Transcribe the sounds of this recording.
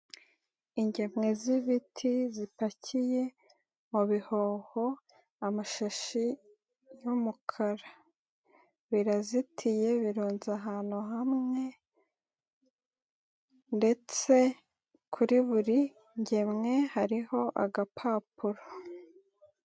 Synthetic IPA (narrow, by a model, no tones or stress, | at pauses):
iɲɟe̞mŋe̞ziβitʰizipacʰije̞ | muβiho̞ːho̞ | amaʃaʃi | jumukʰaɾa | βiɾazitʰije̞βiɾuːnzaɦaːn̥uɦamŋe̞ | nde̞t͡se̞ | kʰuɾiβuɾi | ɲɟe̞mŋe̞haɾiho̞ʔaɡapʰaːpuɾo